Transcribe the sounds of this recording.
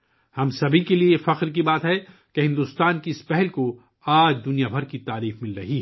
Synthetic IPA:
hɐmsɐbʱikeliefɐqɾk̬ibaːt̪ɦɛ | keɦɪ̃nd̪uːst̪aːnkiɪspɛɦɛlko | aːd͡ʒd̪ʊnijabʱɐɾkit̪aːɾiːfmɪlɾɐɦiɦɛ

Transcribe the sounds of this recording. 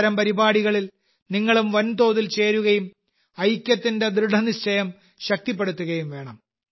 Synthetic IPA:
ɾɐmpɐɾibaːɽiɣɐɭil | niŋːɐɭumʋɐnt̪o̞ːðilt͡ɕe̞ːɾuɣɐjum | ɐjkʲjɐt̪ːinde̞d̪ɾɨɽɐniɕt͡ɕʰɐjɐm | ɕɐk̚t̪ipːe̞ɽut̪ːuɣɐjumʋe̞ːɳɐm

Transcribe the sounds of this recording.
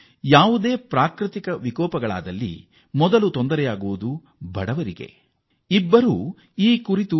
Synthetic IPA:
jaːʋud̪e̞ːpɾaːkɾit̪ikɐʋikɔːpɐɡɐɭa̰ːd̪ɐlːḭ | mɔd̪ɐlut̪ond̪ɐɾɛjaːɡuʋud̪u | bɐɽɐʋɐɾiɡe̞̰ | ibːɐɾu | iːkuɾit̪u

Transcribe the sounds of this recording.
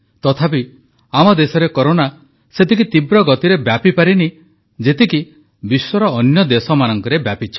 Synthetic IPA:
t̪ɔt̪ʰapi | amɔd̪esɔɾekɔɾona | set̪ikit̪ibɾɔɡɔt̪iɾebjapipaɾini | d͡ʒet̪iki | biswɔɾɔːnjɔd̪esɔmanɔŋkɔɾebjapit͡ʃʰɔ̥

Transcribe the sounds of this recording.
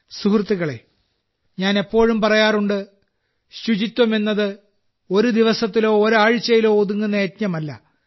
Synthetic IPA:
sukrɨt̪ːiɣɐɭe̞̰ | ɲaːne̞pːo̞ːɻumpɐrɐjaːruɳɖɨ | ɕud͡ʑit̪ʲːwɐme̞nːɐðɨ | o̞ɾud̪iʋɐsɐt̪̬ːilo̞ːɾaːɻɨt͡ɕːɐjilo̞ːðuŋːunːɐːt̪ɲɐmɐlːɐ̰

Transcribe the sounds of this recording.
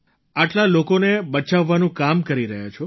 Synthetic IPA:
aʈlalokonebət͡ʃaʋːanũkamkəɾiɾəɦja̰t͡ʃʰo

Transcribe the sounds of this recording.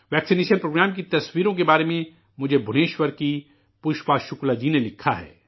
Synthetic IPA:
ʋɛːksineːʃənpɾoːɡɾɛːmkit̪ɐswiːɾõk̬ebaːɾemẽ | mʊd͡ʒʱebʱʊneːʃwəɾki | pʊʃpaːʃʊklad͡ʒiːnelɪkʰːaɦɛ̰ː

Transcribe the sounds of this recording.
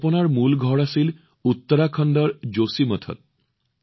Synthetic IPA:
ponaɾmulɡʱɔɽasil | ut̪ːɔɾakʰɔnd̪ɔɾd͡ʒosimət̪ʰɔ̰t̪̚

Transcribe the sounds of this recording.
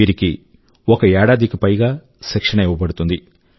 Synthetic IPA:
iːɾiki | ɔkɐɛːɽaːd̪ʱikipɐjɡaː | ʃɛkʂɐɳɐɛʋɐbɐɽut̪und̪i

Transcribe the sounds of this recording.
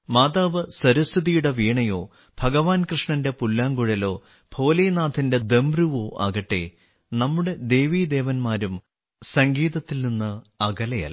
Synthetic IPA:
maːd̪aːʋɨsɐɾust̪ʰiðijuɽɐʋiːɳɐjo̞ː | b̥ʱɐɣɐʋaːnkrɨʂɳɐnde̞pulːaːŋɡuɻɐlo̞ː | b̥ʱo̞ːlenaːt̪ʰinde̞d̪e̞mbruʋoːʔa̰ːɣɐʈːe̞̰ | nɐmːuɽe̞d̪e̞ːʋiːd̪e̞ːʋɐnmaːɾum | sɐŋɡiːðɐt̪ːilninːɨɐɡɐlɐjɐ̰l

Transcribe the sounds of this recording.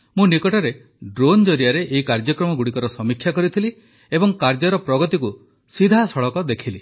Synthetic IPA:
mũnikɔʈɔɾe | ɖɾond͡ʒɔɾijaɾeʔeɦikaɾd͡ʒɔkɾɔmɔɡuɽikɔɾɔsɔmikʰjakɔɾit̪ʰili | ebɔŋkaɾd͡ʒɔɾɔpɾɔɡɔt̪iku | sid̪ʱasɔɭɔkɔd̪ekʰili

